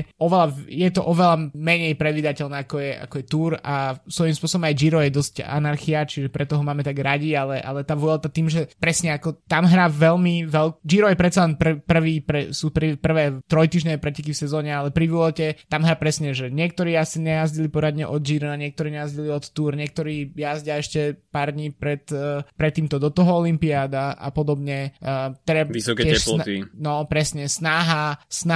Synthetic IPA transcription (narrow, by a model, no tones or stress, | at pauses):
ɔʋɛlajɛt̪ɔʔɔʋɛlamɛɲɛjpɾɛd̪ʋid̪acɛlnɛːakɔjɛʔa̰kɔjɛt̪uːɾasʋɔjimspʊɔsɔbɔmajd͡ʒiɾɔjɛd̪ɔsca̰naɾxiat͡ʃiʒɛpɾɛt̪ɔɦɔmaːmɛt̪aɡɾaɟialɛʔa̰lɛt̪aːʋʊɔlt̪at̪iːmʒɛpɾɛsɲɛakɔt̪amɦɾaːʋɛlmiʋɛld͡ʒiɾɔjɛpɾɛt̪t͡salɛnpr̩pr̩ʋiːpɾɛsuːpɾipr̩ʋɛːt̪ɾɔjt̪iːʒɲɛɛpɾɛcɛkifsɛzɔːɲɛalɛpɾiʋilɔcɛt̪amɦɾaːpɾɛsɲɛʒɛɲɪɛk̚t̪ɔɾiːjasiɲɛjazɟilipɔɾad̪ɲɛʔɔd̪̚d͡ʒiːɾɔaɲɪɛk̚t̪ɔɾiːɲɛjazɟiliɔt̪ːuːɾɲɪɛk̚t̪ɔɾiːjazɟaɛʃcɛpaɾd̪ɲiːpɾɛt̪ːpɾɛt̪ːiːmt̪ɔd̪ɔt̪ɔɦɔɔlimpiaːd̪aʔa̰pɔd̪ɔbɲɛːt̪ɛd̪aisɔkɛɛɛlɔt̪inɔpɾɛsɲɛsnaɦasna